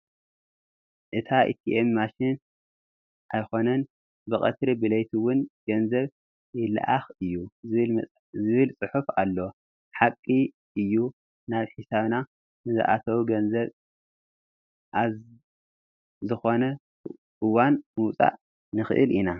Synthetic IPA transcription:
ʔɨt̪ʰaʔḭt̪ʰiʔemːaʃin | ʔajxo̞nɐn | bɨkʼɐt̪ɾibɨlɐjt̪ʰuwʊnɡ̥ɐnzɐβ | jɪla̰ʔaxɨjːul | zɨβɨlt͡sʼɨħufalːo̞ | ħakʼːi | ʔɨjːu | naβħisaβna | nɨzɨ̰ʔa̰t̪ʰɐwuɡɐnzɐβ | ʔaz | zɨxo̞nɐ | ʔɨwanmɨwt͡sʼa̰ʔ | nɨxɨ̰ʔɨ̰lina

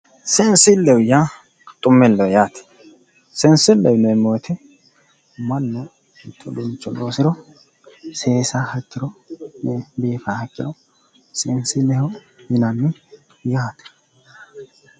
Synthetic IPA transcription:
sɛnsɪlːɛwʊja | t̪ʼʊmːɛlːɛwjaːt̪ɛ̥ | sɛnsɪlːɛwʊnɛmoːt̪ʰɛ | mɐnːɔ | ɪt̪ʰːɔd̪ʊnt͡ʃːɔloːsɪɾɔ | seːsahɐkːɪɾɔnɛbeːfahɐkʼːɪ̰ɾɔ | sɛnsɪlːɛhɔ | jɪnɐnːɪ | jaːt̪ɛ̥

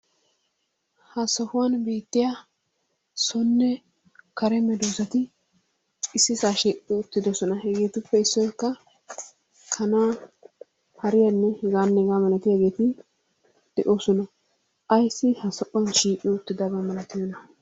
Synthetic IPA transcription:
hɐsɔhʊwɐnbeːt̪ːɪja | sɔnːɛ | kɐɾɛmɛd̪oːsɐt̪ɪ | ɪsːɪsaːʃiːʔʼɪʊt̪ːɪd̪ɔsɔnɐhɛɡe̞ːt̪ʊpːɛɪsːɔjkːɐ | kʰɐnaː | hɐɾɪjanːɛhɛɡaːnːɛɛɡaːmɐlɐt̪ɪjaɡe̞ːt̪ɪ | d̪̥ɛʔoːsɔnɐ | ɐjsːɪhɐsɔʔʊwɐnʃiːkʼːɪʊt̪ːɪd̪ɐbɐmɐlɐt̪ɪjɔnɐ

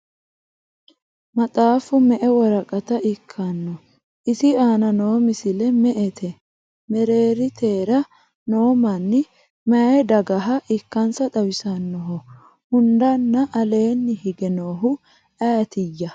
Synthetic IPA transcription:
mɐtʼaːfʊmɛʔɛwɐɾɐkʼɐt̪ɐɪkʰːɐnːɔ | ʔɪsɪaːnɐno̞ːmɪsɪlɛmɛʔɛt̪ʰɛ | mɛɾe̞ːɾɪt̪ʰe̞ːɾɐ | no̞ːmɐnːɪ | mɐjɛd̪ɐɡɐɦɐʔɪkːɐnsɐt̪ɐwɪsɐnːɔɦɔ | hʊnd̪ɐnːɐʔːle̞ːnːɪhɪɡɛnoːɦʊ | aːt̪ɪjːɐ

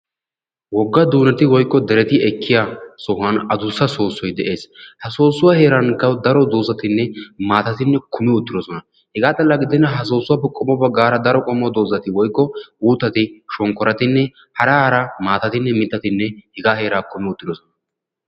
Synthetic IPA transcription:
wɔɡːɐd̪uːnɐt̪ɪwɔjkːɔd̪ɛɾɛt̪ɪɛkʰːɪjaːsɔɦɐnɐd̪ʊsːɐso̞ːsːɔjd̪ɛʔe̞ːshɐsoːsːʊwahe̞ːɾɐnkɐwd̪ɐɾɔd̪o̞ːzɐt̪ɪnːɛmaːt̪ɐt̪ɪnːɛkʰʊmɪʊt̪ːɪd̪ɔsɔnɐ | hɛɡaːt̪ʼɐlːaɡɪd̪ɪnːɐɦɐs̬o̞ːsːʊwɐpːɛkʼɔmɔpːɛɡaːɾɐd̪ɐɾɔkʼɔmːɔd̪o̞ːzɐt̪ɪwɔjkːɔuːt̪ːɐt̪ɪʃɔŋkːɔɾɐt̪ɪnːɛ | hɐɾɐhɐɾɐmaːt̪ɐt̪ɪnːɛmɪt̪ːɐt̪ɪnːɛhɛɡaːhe̞ːɾaːkʊmɪʊt̪ʼːɪd̪ɔsɔnɐ

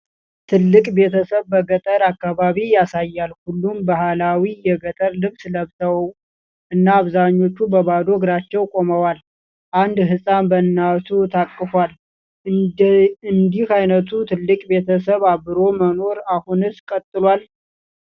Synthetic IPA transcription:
t̪ʰɨlːɨkʼbe̞t̪ʰəsəβbəɡət̪ʼəɾakːaβaβijasajːalhulːumbahalawijɛɡət̪ʼəɾlɨβsləβt̪ʰəwəw | ʔɨnːaːβzaɲːo̞t͡ʃːubəβad̪oɡɾat͡ʃːɛwkʼo̞məwal | ʔand̪ɦɨsʼanbənːasʰut̪ʰakʼːɨfwal | ɨnd̪ihajnət̪ʰut̪ʰɨlːɨkʼbe̞t̪ʰəsəβaβɨɾo̞məno̞ɾahunɨskʼət̪ʼːɨlwal

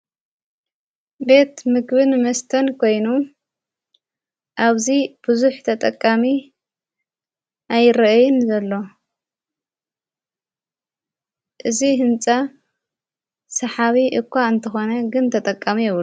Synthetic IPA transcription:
be̞t̪mɨkbɨnmɐst̪ʰɐnkʰo̞jnu | ʔaβzib̥ɨzuħt̪ʰɐt̪ʼɐkʼːami | ʔajɾɐʔjɪnzɐlːo̞ | ʔɨziɦɨnt͡sʼa | sɐħaβiʔɨkʰʷːaɨnt̪ʰɐxo̞nɐɡɨnt̪ʰɐt̪ʼɐkʼːamijɛβlu

